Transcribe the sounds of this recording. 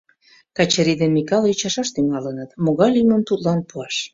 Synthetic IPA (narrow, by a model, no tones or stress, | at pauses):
kɑt͡ɕəɾid̪enmikɑlyt͡ɕɑʃɑʃt̪yŋɑlənət̪moɣɑlʲyməmt̪ut̪lɑnpuɑʃ